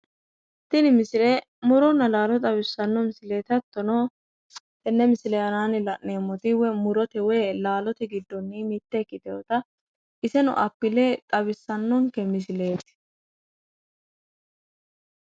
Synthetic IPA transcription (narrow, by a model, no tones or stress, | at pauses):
t̪ɪnɪmɪsɪɾɛ | mʊɾɔnːɐlaːlɔt̪ʼɐbɪsːɐnːɔmɪsɪleːt̪ɐt̪ːɔno | t̪ɛnːɛmɪsɪlɛjɐnaːnɪlɐʔneːmːɔt̪ɪwɛmʊɾɔt̪ɛwɛːlaːlɔt̪ɪɡɪd̪ːɔnːimit̪ːɛkːɪd̪ɛɔt̪ɐ | ʔɪsɛnɔ̰ʔɐpːɪlet̪ʼɐβɪsːɐnːɔŋkɛmɪsɪle̞ːt̪ɪ̥